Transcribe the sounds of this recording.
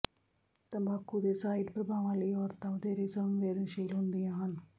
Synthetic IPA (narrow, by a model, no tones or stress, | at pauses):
t̪ɐ̃bʱaːkːud̪eːsaːiɖpɾɐbʱaːʋãːliːɔːɾt̪aʋəd̪eːɾeːsə̃mʋeːd̪ənʃeːlɦʊnd̪ijãːɦən